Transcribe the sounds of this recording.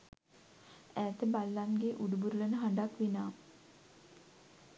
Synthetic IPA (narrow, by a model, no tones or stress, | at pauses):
æːt̪əbalːanɡeʔuɖubuɾulənəɦaɳɖakʋinaː